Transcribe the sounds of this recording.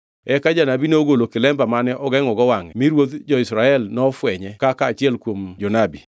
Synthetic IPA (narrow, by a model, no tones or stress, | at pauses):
ɛkad͡ʒanabineoɡolokɪlɛmbamanɛʔɔɡɛŋɔɡɔwaŋɛmiɾwot̪d͡ʒɔɪsɾaɛlnɔfwɛɲɛkakaːt͡ʃɪɛlkwomd͡ʒɔnabi